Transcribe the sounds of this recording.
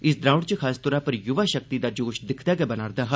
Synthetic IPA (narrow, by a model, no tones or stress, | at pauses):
ɪsd̪ɾaːʊɽt͡ʃəkʰaːst̪ɔːɾãːpəɾjʊʋaːʃək̚t̪iːd̪aːd͡ʒoːʃd̪ɪkʰd̪aːɡɛːbənaːɾd̪aːɦa